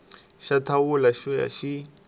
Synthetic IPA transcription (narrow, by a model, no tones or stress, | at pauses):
ʃatʰawulaʃuja̰ʃi